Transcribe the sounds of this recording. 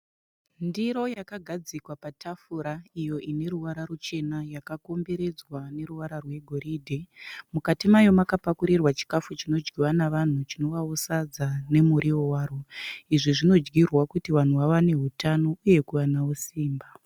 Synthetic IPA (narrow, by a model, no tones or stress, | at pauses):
ndiɾo̞jakaɡʱad͡zikwapatʰafuɾaijo̞ʔine̞ɾuʋaɾarut͡ʃe̞najakakombeɾe̞d͡zwane̞ruʋaɾarwe̞ɡʱo̞ɾiːdʱemukatimajo̞makapakuɾirwat͡ʃi̥kafut͡ʃino̞d͡ʒɡiwanaʋan̤ut͡ʃino̞ʋausad͡zane̞muɾiwowaːroiʐiʐino̞d͡ʒɡirwakutiʋan̤uwaʋane̞ɦutano̞uje̞kuʋanaosiːmba